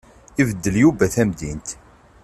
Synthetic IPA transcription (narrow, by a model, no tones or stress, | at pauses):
ivəd̪ːəljubæθæmd̪int̪